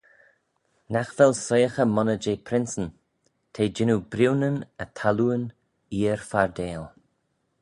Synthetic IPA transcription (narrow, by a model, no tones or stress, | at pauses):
naxvɛlsɔjəxəmɔnəd͡ʒeːpʰɾɪnsən | t̪ʰeːd͡ʒɪnubɾiwnənət̪ʰaluən | iːəɹfaɹd̪eːl